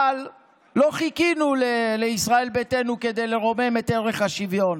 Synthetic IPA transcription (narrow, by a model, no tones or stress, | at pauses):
alː | o̞χikinuleleisʁae̞lbet̪e̞nuke̞d̪e̞jle̞ʁo̞me̞me̞t̪eʁeχhaʃivjo̞n